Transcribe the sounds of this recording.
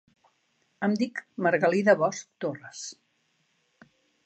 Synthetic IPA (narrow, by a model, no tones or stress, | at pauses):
əmd̪ikməɾɣəliðəβɔsk̚t̪orəs